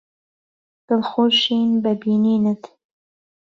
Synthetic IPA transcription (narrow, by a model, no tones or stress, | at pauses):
d̪̥əlxoːʃinbabiːniːnət̪